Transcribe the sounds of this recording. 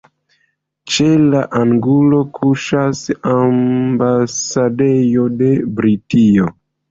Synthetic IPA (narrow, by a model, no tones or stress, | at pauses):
t͡ʃelaʔaŋɡulo̞kʰuʃasambasade̞jo̞de̞bɾitio